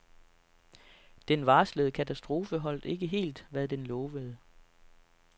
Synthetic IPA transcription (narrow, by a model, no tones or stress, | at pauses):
d̥enʋɑ̈ːsləðˠəkʰæt͡sʰæsd̥ʁo̝ːfəɦɒ̽l̰d̥e̝ɡ̥əɦe̝̰ːld̥ʋæðˠd̥enlɔ̽ːʋəðˠə